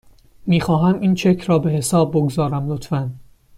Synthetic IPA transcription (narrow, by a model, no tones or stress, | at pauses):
miːxɒːɦæmʔint͡ʃʰecʰɾɒːbe̞ɦe̞sɒːb̚ːoɡzɒːɾæmlot̪fæn